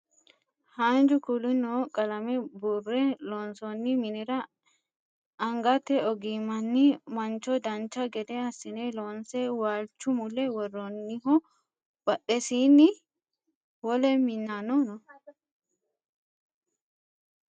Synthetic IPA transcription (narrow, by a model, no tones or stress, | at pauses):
haːnd͡ʒʊkʊlɪnɔkʼɐlɐmɛburːɛloːnsɔnːɪmɪnɪɾɐ | ɐŋɡɐt̪ːɛɔɡimɐnːɪmɐnt͡ʃːɔd̪ɐnt͡ʃːɐɡɛd̪ɛɐsːɪneloːnsɛwaːlt͡ʃːʊmʊlːɛwɔrːɔnːɪɦɔ | b̥ɐɗɛsiːnːɪ | wɔlɛmɪnːanɔnɔ